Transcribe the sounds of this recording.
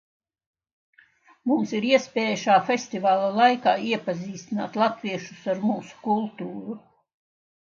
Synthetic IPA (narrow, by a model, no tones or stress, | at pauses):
mumsiɾiɛspeːjaʃaːfʲest̪ivaːlˠalˠajkaːiɛpaziːst̪ina̰ːt̪lˠat̪viɛʃusaɾmuːsu̥kulˠt̪uːɾu